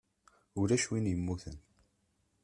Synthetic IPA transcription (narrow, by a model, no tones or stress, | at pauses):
ʊɾæʃwinjəmːuθən